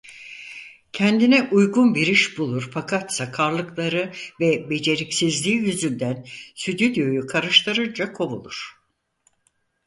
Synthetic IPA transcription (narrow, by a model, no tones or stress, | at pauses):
cʰɛnd̪inɛʔujɡunbiɾiʃbulˠuɾfakʰat̪sakʰaɾlˠɯklˠaɾɯvɛbe̞d͡ʒe̞ɾicsizlʲiːjyzynd̪ænsyd̪yd̪jo̞jukʰaɾɯʃt̪ˠaɾɯnd͡ʒakʰo̞βṵlˠuɾ̥